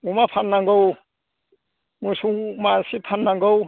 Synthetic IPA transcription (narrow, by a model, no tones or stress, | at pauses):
umapʰanːaŋɡow | musumasipʰanːaŋɡow